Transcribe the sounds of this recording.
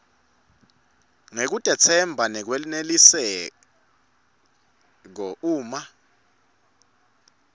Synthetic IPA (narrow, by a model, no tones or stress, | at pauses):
ŋek̬ud̥ʼʱɛt͡sʰɛmbʱanɛk̬welinelisɛ | k̬ɔuːma